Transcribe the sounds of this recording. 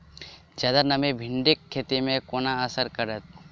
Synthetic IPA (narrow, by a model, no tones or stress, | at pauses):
d͡ʒɐd̪əɾnɐmebʱɪɳɖekʰːeːt̪emẽkoːnaəsəɾkəɾət̪̚